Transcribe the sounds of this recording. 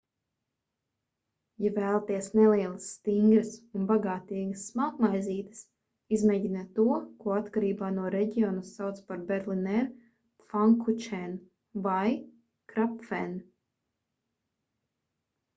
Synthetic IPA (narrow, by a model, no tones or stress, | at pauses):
javæːlˠat̪iɛsnɛliɛlˠasːt̪iŋɡɾəsunbaɡaːt̪iːɡɐsːmakmajziːt̪ə̥s | izmeːɟinat̪uɔkuɔat̪kaɾiːbaːnuɔɾɛɟiɔnusawt̪spaɾbɛɾlˠinɛɾ | faŋkut͡ʃɛn | vaj | kɾapfɛn